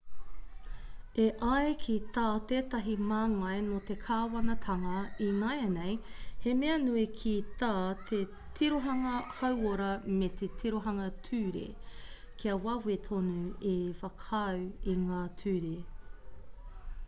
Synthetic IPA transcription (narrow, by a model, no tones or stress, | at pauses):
eʔɐekʰit̪aːteːtɐɦimaːŋɐjnot̪ekʰaːwɐnɐtʰɐŋɐinɐjɐnejhemeɐnuikʰitaːt̪ʰe | tʰiɾoɦɐŋɐhɐwoɾɐmet̪ʰetʰiɾoɦɐŋɐtʰʉːɾḛ | kʰiɐwɐwet̪ʰonuefɐkʰɐwiŋaːtʰʉːɾe